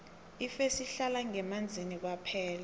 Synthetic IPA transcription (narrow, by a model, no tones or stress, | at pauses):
ifesiɬalaŋɛmand͡zʱinik̬wapʰɛːla